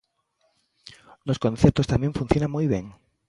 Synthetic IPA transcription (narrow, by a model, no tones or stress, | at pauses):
noskonθjeɾt̪ost̪amjeɱfun̟θjo̞nãŋmujβjeŋ